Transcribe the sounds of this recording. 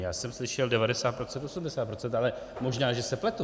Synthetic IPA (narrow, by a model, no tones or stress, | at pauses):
jaːsɛmslɪʃɛldɛvadɛsaːt̪pɾo̞t͡sɛnt̪osumdɛsaːt̪̚pɾo̞t͡sɛnt̪ʔalɛ | mo̞ʒnaːʒɛsɛplɛt̪u